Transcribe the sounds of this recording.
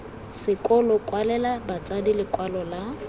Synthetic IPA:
sɪkʼɔlɔkʼwalɛlabat͡sʼadilɪkʼwalɔla

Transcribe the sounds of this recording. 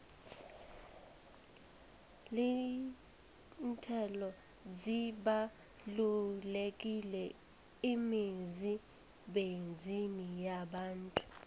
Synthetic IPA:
li | ntʰɛlɔ | d͡ziɓa | lulek̬ʼilɛ | imizi | ɓend͡zʱinijaɓaːntʼu̥

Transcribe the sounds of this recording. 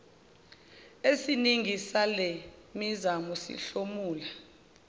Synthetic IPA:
esiniŋʱisalɛmizamɔsḭɬomuːla

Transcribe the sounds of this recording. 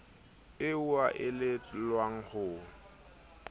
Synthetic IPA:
ɪuaʔɪlɪlwaŋ̩hʊ

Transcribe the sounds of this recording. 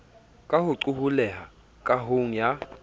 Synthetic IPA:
kʼahʊǀuhulɛɦa | kʼaɦoŋ̩ja

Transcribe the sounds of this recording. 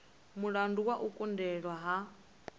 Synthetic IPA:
muɺanduwaʔukʼundɛɺwaɦa

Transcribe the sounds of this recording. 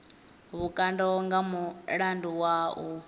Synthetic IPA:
βukʼandɔŋɡamuɺanduwaʔu

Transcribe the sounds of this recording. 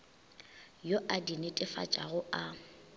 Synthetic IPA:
joʔadinɪtʼɪfa̰t͡ʃʼa̰ɣʊa

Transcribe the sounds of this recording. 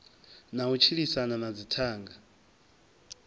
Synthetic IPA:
naut͡ʃʰiɺisanamad͡zitʰaːŋɡa

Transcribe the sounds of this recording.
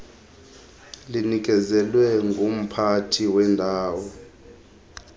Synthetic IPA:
linik̬ʼɛzɛlwɛŋɡʱum̩pʰatʰiwɛndʱaːwɔ

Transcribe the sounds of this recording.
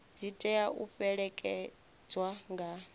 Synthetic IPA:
d͡zitʼɛaṵɸɛɺɛkʼɛ | d͡zwaŋɡʱa

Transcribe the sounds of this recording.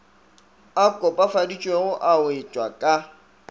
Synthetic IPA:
akʼɔpʼafadit͡ʃʼweɣʊʔaʊɪt͡ʃʼwakʼa

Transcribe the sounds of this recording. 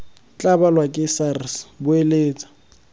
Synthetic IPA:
t͡ɬʼabalwakʼɪsarɪsbʊeleːt͡sʼḁ

